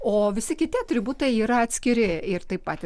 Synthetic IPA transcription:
oːʋʲɪsʲɪkʲɪt̪ʲɪɐt̪ʲɾʲɪbuːt̪ɐjiːɾɐɐt̪ʲsʲkʲɪɾʲɪɪrt̪ɐɪppɑːt̪ʲɪ

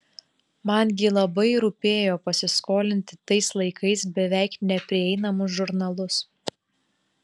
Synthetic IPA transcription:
mɐnɡʲɪlˠɐbɐɪɾʊːpʲeːjoːpɐsʲɪskoːlʲɪnʲt̪ʲɪt̪ɐɪslˠɐɪkɐɪs̬bʲɛʋʲæˑɪknʲɛpʲɾʲɪɛɪnɐmʊs̬ʒʊɾnɐlˠʊs

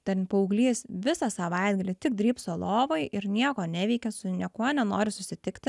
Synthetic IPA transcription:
t̪ʲɛnpɐʊɡlʲiːsʋʲɪsɑsɐʋɐɪd̪ɡɐlʲit̪ʲɪk̚d̪ʲɾʲiːpsolˠoːʋojʔɪɾnʲiɛkoːnʲɛʋʲɛɪkʲɛsʊnʲiɛkuɔnʲɛnoːɾʲɪsʊsʲɪt̪ʲɪkt̪ʲɪ

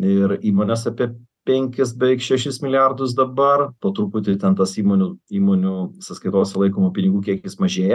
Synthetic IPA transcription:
ɪɾiːmoːnʲeːsɑpʲiɛpʲɛŋʲkʲɪs̬bʲɛɪkʃʲɛʃʲɪsmʲɪlʲɪjærd̪ʊs̬d̪ɐbɐrpoːt̪ɾuːpʊt̪ʲɪt̪ʲɛnt̪ɐsiːmoːnʲʊiːmoːnʲuɪsɐskɐɪt̪oːsʲɛlˠɐɪkoːmoːpʲɪnʲɪɡuːkʲiɛkjɪsmɐʒʲeːjɛ

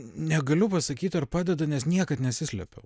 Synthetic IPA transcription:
nʲɛɡɐlʲʊpɐsɐkʲiːt̪ʲɐrpɑːd̪ʲɛd̪ɐnʲɛsnʲiɛkɐt̪nʲɛtsʲɪsʲlʲɛ̰pʲɛʊ

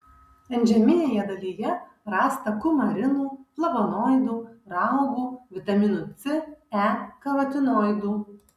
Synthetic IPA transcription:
ɐnʲd͡ʒʲɛmʲɪnʲeːjɛd̪ɐlʲiːjɛ | ɾɑːst̪ɐkʊmɐɾʲɪnuːplˠɐbonɔːjd̪uːɾɑʊɡuːʋʲɪt̪ɐmʲɪnʊt̪sʲɪækɐʋɐt̪ʲɪnɔːjd̪uː

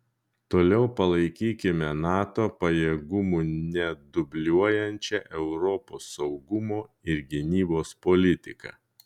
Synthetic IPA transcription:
t̪oːlʲɛʊpɐlˠɐɪkʲiːkʲɪmʲɛnɑːt̪oːpɐjeːɡʊmuːnʲɛd̪ʊbʲlʲuɔjɛnʲt͡ʃʲɛʔɛʊɾɔpoːsːɒʊɡʊmoːɪɾɡʲɪnʲiːboːspɔlʲɪt̪ʲɪkɐ̰ː

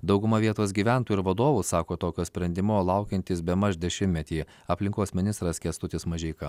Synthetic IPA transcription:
d̪ɒʊɡʊmɐʋʲiɛt̪oːs̬ɡʲiːʋʲæˑnt̪uːɪɾʋɐd̪oːʋusɑːkoːt̪oːkʲoːsʲpʲɾʲɛnʲd̪ʲɪmolˠɐʊkʲɛnʲt̪ʲiːsbʲɛmɐʃd̪ʲɛʃʲɪmʲmʲɛt̪ʲiː | ɐpʲlʲɪŋkoːsmʲɪnʲɪst̪ɾɐskʲɛst̪ʊt̪ʲɪsmɐʒʲɛɪkɐ

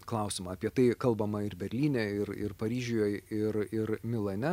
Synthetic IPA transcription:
klˠɐʊsʲɪmɑɐpʲiɛt̪ɐɪkɐlˠbɐmɐɪɾbʲɛɾʲlʲiːnʲɛɪɾɪ̰rpɐɾʲiːʒʲʊjoːjɪɾɪɾmʲɪlˠɐnʲɛ

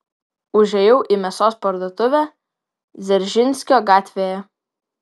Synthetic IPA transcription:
ʊʒʲɛjɛʊʔiˑmʲɛsoːspɐɾd̪oːt̪ʊʋʲæ | zʲɛɾʲʒʲɪnʲsʲkʲoːɡɑːt̪ʲʋʲeːjɛ

